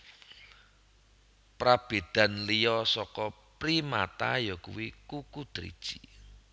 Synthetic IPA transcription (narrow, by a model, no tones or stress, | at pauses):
pɾab̥e̤d̪̥ä̤nlijɔsɔkɔpɾima̰t̪a̰jɔkṵwikukud̪̥ɾḭd̥ʒ̥i̥